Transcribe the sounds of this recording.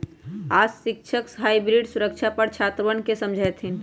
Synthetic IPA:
asik̚t͡ʃʰəksɦaibɾiɖsuɾək̚t͡ʃʰapəɾt͡ʃʰat̪ʋənkesəmd͡ʒʱəjt̪ʰɦin

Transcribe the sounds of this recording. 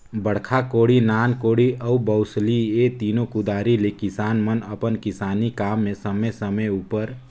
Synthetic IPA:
bəɽ̤kʰakoːɽinaːnkoːɽiʔəubəʊsliet̪iːnokʊd̪aːɾilekɪsaːnmənəpənkɪsaːnikaːmːẽsəməjsəməjuːpəɾ

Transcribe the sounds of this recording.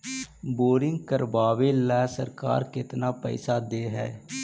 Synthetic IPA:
boːɾɪŋɡkəɾʋaːʋeːlɛːsə̰ɾka̰ːɾkɪt̪naːpɛ̰isaːd̪eːɦɛ̰ː

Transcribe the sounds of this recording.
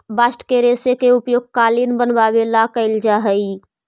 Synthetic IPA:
basʈkeɾesekeupjoɡ̚kalinbənbabelakəɪld͡ʒaɦəi

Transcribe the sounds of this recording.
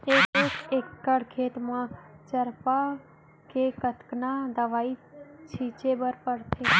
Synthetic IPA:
eːkeːkeːkːəɽkʰeːt̪mãt͡ʃəɾpa | kekət̪knad̪əʋaːit͡ʃʰiːt͡ʃebəɾpəɽt̪ʰeː

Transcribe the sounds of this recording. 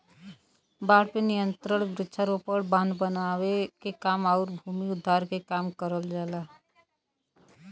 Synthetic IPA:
baɽpenijənt̪ɾəɳbɾɪtːt͡ʃʰəɾopəɽbãnbənawekekamaʊɾbʱumiud̪ʱːaɾkekamkəɾəld͡ʒala

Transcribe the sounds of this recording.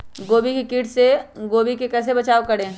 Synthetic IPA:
ɡoːbikikɪʈʰseɡoːbikekɛːs̬ebɐt͡ʃaːokɐɽẽː

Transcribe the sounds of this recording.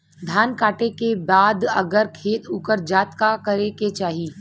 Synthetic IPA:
d̪ʱjaːnkaːʈekebaːd̪ɐɡəɾkʰeːt̪uːkəɾd͡ʒaːt̪kakɐɾeket͡ʃaːɦiː

